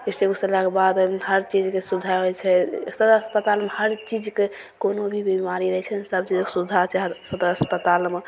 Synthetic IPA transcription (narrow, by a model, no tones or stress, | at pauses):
estekusəlakebad̪ɦəɾt͡ʃid͡ʒkesud̪ʱaɦojt͡ʃʰɛsəd̪ɾəspət̪almehəɾt͡ʃid͡ʒke | konobʱibimaɾiɾəɦɛt͡ʃʰɛsəbt͡ʃid͡ʒkesud̪ʱat͡ʃʰɛɦsəd̪ɾəspət̪alme